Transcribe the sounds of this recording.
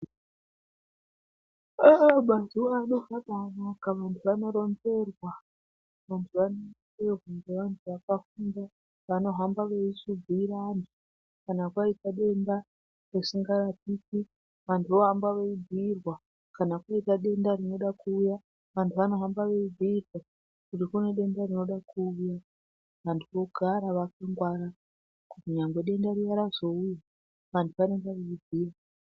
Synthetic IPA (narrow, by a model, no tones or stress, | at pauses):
aɓantuʋano̞vaɓamakaʋantʰuʋano̞ɾo̞nbe̞rwa | ʋantʰuʋanoterwaŋɡeʋantʰuʋakafunda | ʋano̞ɦambaʋe̞isuɡʱiiɾani | kanakwaitaɗe̞nda | resiŋɡaratiki | ʋantʰuʋo̞ɦambaʋeid͡zʱirwa | kanakwaitaɗe̞ndarino̞ɗakuːja | ʋantʰuʋano̞ɦambaʋe̞ivʱirwa | kutikune̞ɗe̞ndarino̞ɗakʰuːja | ʋantʰuʋo̞ɡʱaɾaʋakaŋɡwaɾa | kutiɲaŋɡwe̞ɗe̞ndaɾijaɾazo̞uja | ʋantʰuʋaneŋɡaʋeibʱiːra